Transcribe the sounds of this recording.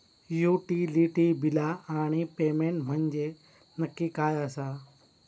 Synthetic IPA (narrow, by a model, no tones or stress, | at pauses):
juːʈiːliːʈiːbɪlaːaːɳ̃ipeːmẽːɳʈm̤ə̃ɲd͡ʑeː | nɐkːikaːjaːsaː